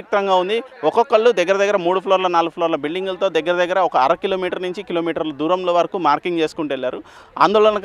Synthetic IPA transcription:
ik̚t̪ɾɐŋɡaːund̪i | ɔkɔkːɐɭːud̪ɛɡːɐɾɐd̪ɐɡːɐɾɐmuːɽupʰloːɾlɐnaːluupʰloːɾlɐbiɭɖiŋɡulɐt̪o̞ːd̪ɐɡːɐɾɐd̪ɐɡːɐɾɐɔkɐːɾɐkiloːmiːʈɐɾnuɲt͡ʃikilo̞ːmiːʈɐɾlɐd̪uːɾɐmlo̞ːʋɐɾɐkumaːɾkiŋɡt͡ʃe̞ːsu̥kuɳʈelːaːɾu | a̰ːnd̪oːlɐnɐk

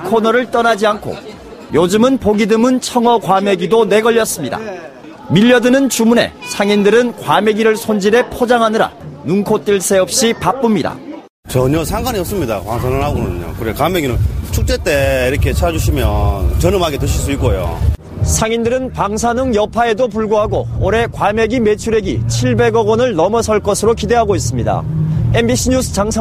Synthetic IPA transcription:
kʰonʌɾɯɭt͈ʌnad͡ʑiankʰo̰ | jod͡ʑɯmɯnpoɡidɯmɯnt͡ɕʰʌŋwʌkwame̞ɡidone̞ɡʌʎːʌs͈ɯmɲida̰ | miʎːʌdɯnɯnt͡ɕumune̞̰sʰaŋindɯɾɯnkwame̞ɡiɾɯɭsʰond͡ʑiɾepʰod͡ʑaŋɦanɯɾa̰nuŋkʰot͈ɯɭs͈e̞ʌp̚ɕ͈ipap͈ɯmɲida̰ | t͡ɕʌɲʌsʰaŋɡaɲiʌp̚s͈ɯmɲida̰kwaŋsʰanɯnhaɡonɯ̰ɲo̰kɯɾekwameɡinɯnt͡ɕʰuk̚t͡ɕ͈et͈eiɾʌkʰe̞t͡ɕʰad͡ʑuɕʰimjʌnt͡ɕʌnɯmaɡetɯɕʰiɭs͈uik͈ojo̰ | sʰaŋindɯɾɯnpaŋsʰanɯŋjʌpʰae̞dop̬uɭɡoɦaɡoːɾe̞kwame̞ɡime̞t͡ɕʰuɾe̞ɡit͡ɕʰiɭbe̞ɡʌɡʌnɯɭnʌmʌsʰʌɭk͈ʌsʰɯɾokide̞ɦaɡois͈ɯmɲida̰e̞mbiɕʰiɲusʰɯ̥t͡ɕaŋsʰa

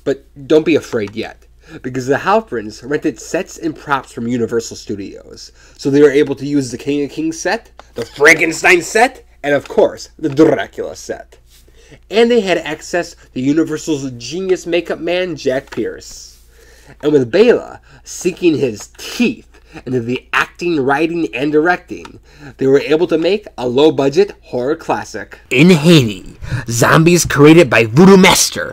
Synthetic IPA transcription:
b̥ʌt̚d̥õʊ̃nb̥iɨfɹeɪd̚jɛ̰t̚ | b̥ɨkʌzðɨhaʊbɹɪ̃nzɹɛ̃ntɨd̥sɛtsɨ̃npʰɹ̥ɑpsfɹʌ̃mjʉnɨvɜ˞sl̩ˠstʉɾḭo̰ʊz̥ | soʊðeɪwə˞eɪbl̩ˠtʰɨjʉzðɨkʰɪ̃ŋkʰɪ̃ŋsɛt̪̚ðəfɹæɡɨ̃nstãɪ̃nsɛɾ | ɨ̃nʌv̥kʰɔɹsðɨdəɹɛ̰kjl̩ˠə̰sɛ̰ɾ | ɨ̃nðeɪɨɾæksɛsðɨjʉnɨvɜ˞sl̩ˠzd͡ʒĩnjɨsmeɪkʌp̚mæ̃nd͡ʒæk̚pʰɪ̰ɹs | ʔɨ̃nwɨðbeɪlˠə̰sikɪ̃ŋɪz̥tʰiθ | ɪ̃nɨðiʔæk̚tɪ̃ŋɹaɪɾɪ̃ŋɨ̃ndə˞ɛk̚tɪ̰̃ŋ | ðeɪwə˞eɪbl̩ˠtʰɨmeɪkəloʊbʌd͡ʒɨt̚hɔɹəkʰl̥æsɪ̰kɪ̃nɦeɪɾḭ̃zɑ̰̃mbiɨz̥kʰɹ̥ieɪɾɨd̚baɪvuɾumæstə̰˞

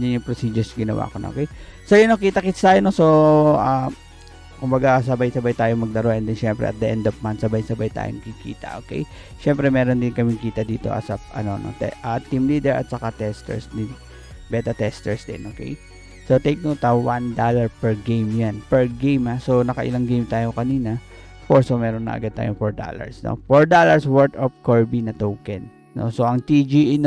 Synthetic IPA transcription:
d͡ʒanjʊŋpɾosiːd͡ʒʊsɡɪnɐwa̰kono̰kɛj | sojonɐkiːt̪ɐkit̪st̪aːjonosoʔa | kʊmbɐɡas̬ɐbajsɐbajt̪aːjoŋmɐɡ̚d̪ɐɾoʔɛnd̪ɛnʃɛmpɾɛ̰ʔɐ̰t̪̚d̪ɐʔɛnd̪ovmant̪sɐbajsɐbajt̪a̰ːjoŋɐkikḭːt̪ɐ̰ʔokɛ̰j | ʃɛmpɾɛmɛːɾond̪ɪnkɐmɪŋkiːt̪ɐd̪iːt̪o̞ʔɐ̰sɐpɐ̰no̞no̰t̪ɛʔɐt̪ːimliːd̪ɛɹɐ̰t̪̚sɐkat̪ɛst̪ɛ̰ɹsd̪ɪn | bɛːt̪ɐt̪ɛst̪ɛɹsd̪ɪ̰nʔoːkɛ̰j | sot̪ejk̚not̪ɐwand̪aːlɐɹpɛɹɡejmjanpɛɹɡejmhasonɐkɐʔɪ̰laŋɡejmt̪aːjokɐniːnɐ | ɐfkoɹsomɛːɾonːɐ̰ʔɐ̰ɡad̪̚t̪a̰ːjoŋfoɹd̪a̰lɐ̰ɹsno̞̰foɹd̪alɐɹswɛɹt̪op̚koɹbinɐt̪owkɛnːo̞̰soʔɐŋt̪id͡ʒiɪn

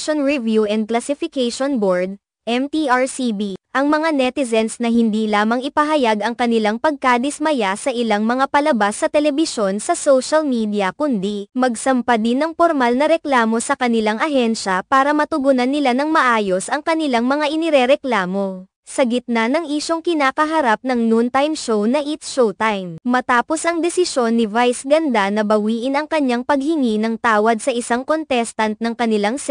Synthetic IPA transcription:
onɹivjuʔɛnd̪̚klɐsɪfɪkɛjʃonboɹd̪̚ | ʔɛmt̪iʔaɹsibiʔɐŋmɐŋanɛt̪ɪzɛnsnɐhɪnd̪ilaːmɐŋɪpɐɦɐjaɡɐŋkɐnɪlaŋpɐɡ̚kaːd̪ɪsmɐjasɐʔɪlaŋmɐŋapɐlɐbasːɐt̪ɛlɛbɪʃo̞nsɐsowʃɐlmiːd̪ɪɐkʊnd̪imɐɡsɐmpad̪ɪnːɐŋpoɾmalnɐɾɛklaːmo̞sɐkɐnɪlaŋʔɐɦɛnʃɐpaːɾɐmɐt̪ʊɡunɐnːɪlanɐŋmɐʔaːjo̞sʔɐŋkɐnɪlaŋmɐŋaʔɪnɪɾɛɾɛklaːmo̞ | sɐɡɪt̪̚nanɐŋʔiʃoŋkɪnaːkɐɦɐɾap̚nɐŋnunt̪ajmʃownɐʔit̪ʃowt̪ajmmɐt̪aːpo̞sɐŋd̪ɛsɪʃo̞nːɪvajsɡɐnd̪anɐbɐwiːʔɪnɐŋkɐɲːaŋpɐɡ̚hɪŋinɐŋt̪aːwɐd̪̚sɐʔɪsaŋko̞nt̪ɛst̪ɐnt̪̚nɐŋkɐnɪlaŋs

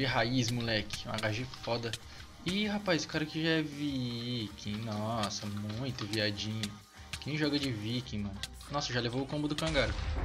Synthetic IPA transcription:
d͡ʒɪɦaismulɛkɪ̥ũɐ̰ɡaʒiɐfɔd̪ɐ | ɪhapajsʊ̥kaɾɐkɪʒaɛvikʰẽj̃nɔsɐmũj̃t̪ʊviad͡ʒĩɲʊ | kẽj̃ʒɔɡɐd͡ʒɪvikẽj̃mɐ̃nʊ | nɔsɐʒalevowʊkõmbʊd̪ʊkɐ̃ɡaɾʊ

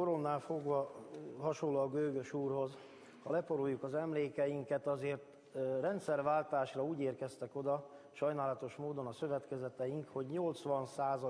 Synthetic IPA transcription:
koɾo̞nːaːlfo̞ɡvɒɦɒʃonlːoːɡøːɡøʃuːrho̞z | hɒlɛpo̞ɾojːukɒzɛmleːkɛjiŋkɛt̪ɒzeːrt̪ | rɛnt̪sɛrʋaːlt̪aːʃrɒuːɟeːrkɛst̪ɛko̞d̪ɒʃɒjnaːlɒt̪o̞ʃmoːd̪o̞nɒsøvɛt̪kɛzɛt̪ɛjiŋkho̞ɟɲo̞lt̪sʋɒnsaːzɒ

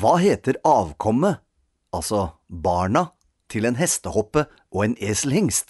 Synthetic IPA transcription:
ʋɑːɦeːt̪əɾɑːʋkʰɔmə | ɑlsɔbɑːɳɑ | t̪ʰɪleːnɦɛst̪əhɔpːə | ʔoːeːneːslhɪŋst̪

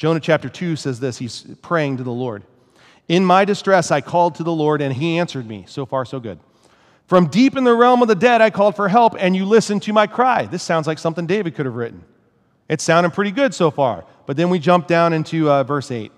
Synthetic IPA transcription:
d̥ʒ̥õʊñɨt͡ʃʰæp̚tə˞tʰʉsɛzðɪshiz̥pʰɹ̥eɪɪ̃ŋtɨðəlɔɹɾ | ɪ̃nmaɪdɨstɹ̥ɛsaɪkʰɔlˠd̚tʰɨðəlɔɹɾɨ̃niæ̃nsə˞d̚mḭsoʊfɑɹsoʊɡʊ̰d̥̚ | fɹʌ̃mdipɨ̃nðɨɹɛlˠmʌvðɨdɛɾaɪkʰɔlˠd̥fə˞ɦɛlˠpɨ̃njɨlɪsɨ̃ntʰɨmaɪkʰɹ̥aɪðɪsãʊ̃nzlaɪksʌ̃mθɪ̃ŋdeɪvɨd̚kʰʊɾɨvɹɪʔn̩ | ɨtsãʊ̃ndɨd̚pʰɹ̥ɪɾiɡʊdsoʊfɑ̰ɹ | b̥ʌt̪̚ðɨ̃nwid͡ʒʌ̃mp̚d̥ãʊ̃ñɪ̃ntʰʉvɜ˞seɪt̚

